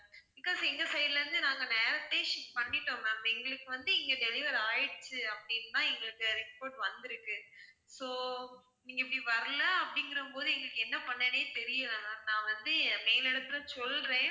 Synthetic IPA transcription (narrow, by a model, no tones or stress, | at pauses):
bɪkːoːsɛŋɡɐsɐjlɐɾɯnd̪ɯnaːŋɡɐnɛːɾɐt̪ːeːʂɪpɐnːɪʈːoːmɐɛŋɡɐɭɯkːɯʋɐnd̪ɯɛŋɡɐɖɛlɪʋɐɾaːjɪɽt͡ʃːɯɐpːɐɽɪnːt̪ãːɛŋɡɐɭɯkːɯɾɪspoːʈʋɐnd̪ɪɾɯkːɯ | soː | niːŋɡɐɪpːɐɽiʋɐɾɐlɐɐpːɐɽɪŋɡɪɾɐɯmpoːðɯɛŋɡɐɭɯkːɛnːɐpɐɳːɐneːt̪ɛɾɪjɐlɐ̃nãːʋɐnd̪ɯmeːlɛɽɐt̪ːɯlɐsɔlɾẽː